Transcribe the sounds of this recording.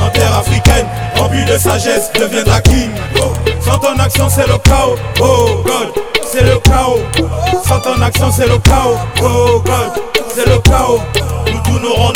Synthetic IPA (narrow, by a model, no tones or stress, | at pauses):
ɔ̃t̪ɛʁafʁikɛ̃n | ɔ̃vyd̪əsaʒɛsd̪əvjɛ̃d̪aki | sɑ̃t̪ɔ̃naksɔ̃selokaw | oɡɔd̪seloka | sɑ̃t̪ɔ̃naksɔ̃selokaoɡɔdseloka | ut̪unoʁɔ̃